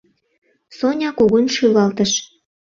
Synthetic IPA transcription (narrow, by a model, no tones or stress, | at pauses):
sonʲɑkoɣonʃylɑlt̪əʃ